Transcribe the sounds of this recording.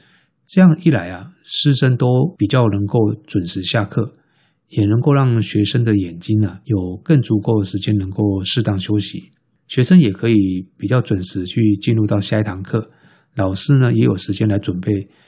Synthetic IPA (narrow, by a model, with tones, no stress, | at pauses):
ʈ͡ʂɤ˥˧jɑ˥˧ŋi˥˩la˧˥ɪɐ˨ʂɻ̩˥˧ʂə˥ŋt̪o˥ʊpi˨˩t͡ɕjɑ˥˩ʊnə˧˥ŋko˥˩ʊt͡swə˨˩nʂɻ̩˧˥˦ɕja˥˧kʰɤ˥˩ | jɛ˨˩nə˧˥ŋko˥˧ʊɻɑ˥˩ŋɕɥɛ˧˥ʂə˥ŋd̪ə˨jɛ˨˩nt͡ɕi˥nɐ˨jo˨˩ʊkə˥˩ŋt͡su˧˥ko˥˩də˩ʂɻ̩˧˥t͡ɕjɛ˥nə˧˥ŋko˥˧ʊʂɻ̩˥˧t̪ɑ˥˩ŋɕjo˥ʊɕi˧˦ | ɕɥɛ˧˥ʂə˥ŋjɛ˨˩kʰɤ˧˥i˨˦pi˨˩t͡ɕjɑ˥˩ʊt͡swə˨˩nʂɹ̩˧˦t͡ɕʰy˥˧t͡ɕi˥˧nɻu˥˧t̪ɑ˥˧ʊɕja˥˧˥ɪ˨t̪ʰɑ˧˥ŋkʰɤ˥˩ | lɑ˨˩ʊʂɻ̩˥˧nə˨jɛ˧˥jo˨˩ʊʂɻ̩˧˥t͡ɕjɛ˥nla˧˥ɪt͡swə˨˩npe˥˩ɪ